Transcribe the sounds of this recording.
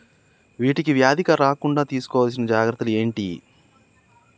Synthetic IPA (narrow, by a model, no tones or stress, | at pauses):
ʋiːʈikiʋjaːd̪ʱikɐɾaːkuɳɖaːt̪iːsu̥kɔːʋaːls̬inɐd͡ʒaːɡɾɐt̪ːulue̞ːɳʈḭ